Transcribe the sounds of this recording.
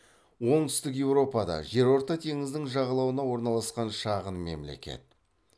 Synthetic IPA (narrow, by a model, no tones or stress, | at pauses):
wo̞ŋt̪ʰʏ̥st̪ɪkje̞wɾo̞pɑd̪ɑ̰ʒe̞ɾo̞ɾt̪ɑt̪ʰe̞ŋɪzd̪ɪŋʒɑʁɑlˠɑwənɑwo̞ɾnɑlˠɑsqɑnʃɑʁənme̞̰mle̞̰kʲe̞̰t̪̚